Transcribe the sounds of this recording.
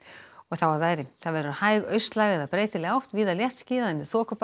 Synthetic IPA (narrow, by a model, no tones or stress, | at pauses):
ɔɣθawvaɾvaːjɾɪθaðvɛːɾʏɾahaːjɣœɥst̪laːɣɪɛðapɾeːjt̪ɪlɛɣawht̪viːðaljɛht̪scɪːðaðɛnːɪθɔːkʏp